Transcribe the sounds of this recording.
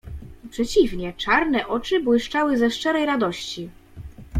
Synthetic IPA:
pʂɛt͡ɕivɲɛt͡ʂaɾnɛʔɔt͡ʂɘbwɘʂt͡ʂawɘzɛʂt͡ʂɛɾɛjɾad̪ɔɕt͡ɕi

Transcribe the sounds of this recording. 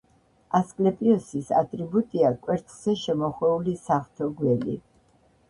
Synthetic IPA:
askʼlɛpʼiɔsisa̰t̪ʼɾibut̪ʼiakʼwɛɾt̪ʰʼχz̥ɛʃɛmɔχwɛulisaχt̪ʰɔɡwɛlḭ

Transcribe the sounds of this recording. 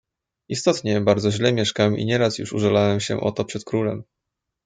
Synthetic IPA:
ist̪ɔt̪ɲɛbaɾd̪zɔʑlɛmʲjɛʂkawɛmʔḭɲɛɾasjṵʂṵʐɛlawɛmɕɛ̰ʔɔ̰t̪ɔpʂɛt̪kɾulɛm

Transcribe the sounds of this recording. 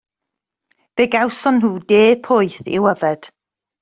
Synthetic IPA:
v̥eɡawsɔnɦuːdeːpʰʊɨθɪ̰wəvɛd̥

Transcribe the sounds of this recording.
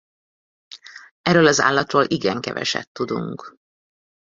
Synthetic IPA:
ɛrøːlɒza̰ːlːɒt̪roːlʔiɡɛŋkɛvɛ̰ʃɛ̰t̪ːud̪ṵŋk

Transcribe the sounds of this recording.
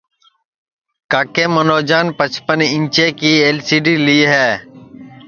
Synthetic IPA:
kaːkẽːmənoːd͡ʒaːnpət͡ʃpənɪ̃ɲt͡ʃeːkiːeːlsiːɖiːliːɦɛː

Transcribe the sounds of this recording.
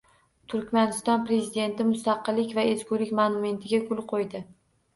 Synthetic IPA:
t̪ʰʊɾkʲmanɪst̪ɒnpɾe̞zid̪e̞nt̪ɪmʊst̪ɑqɨlːɪkʲvae̞skʲulɪkʲmanʊme̞nt̪ʰɪɡʲakʰʊlˠqʰojd̪ɪ

